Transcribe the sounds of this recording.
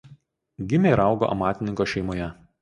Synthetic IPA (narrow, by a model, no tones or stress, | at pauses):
ɡʲɪmʲeɾɑˑʊɡo̰ʔɐ̰mɑːt̪ʲɪnʲɪŋkoːʃʲɛɪmoːjɛ